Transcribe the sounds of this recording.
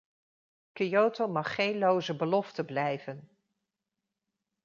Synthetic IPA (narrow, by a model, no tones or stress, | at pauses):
kijowtowmɑχːejnlowzəbəlɔftəblɛjvən